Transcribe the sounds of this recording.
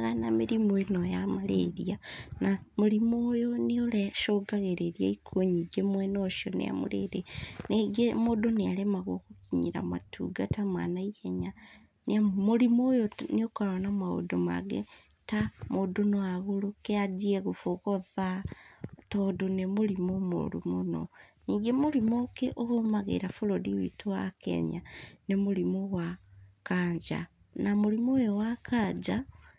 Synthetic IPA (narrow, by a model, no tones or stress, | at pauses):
ɣanamiɾimoinojamalḛɾianamulimoːjonioleʃoɡaɣeɾeɾiaikʰoɲiɡemwenoʃjonḛa̰mṵlḛɾeneɡemodonealemaɣokukiɲḭɾa̰ma̰tʰṵɡatamwa̰naiɣeɲa | neamolimoːjoniokoɾwanamao̰doma̰ɡḛ | tamodunoaɣulukead͡ʒieɣufukoða | todunemulimomo̰lṵmuno̰niːŋɡemulimokeʔoɣomaɣḛɾafulodiwḭtuwakḛɲanemulimuwakaːɲd͡ʒa̰ | namulimojowakʰad͡ʒa